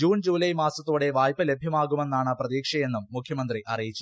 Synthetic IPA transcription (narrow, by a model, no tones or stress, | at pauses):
d͡ʑuːnd͡ʑuːlɐjmaːsɐt̪ːoːɽe̞ʋaːjpːɐle̞bʱjɐmaːɣume̞nːaːɳɨprɐðiːkʂɐje̞nːumːukʰjɐmɐnd̪riʔɐrijit͡ɕːu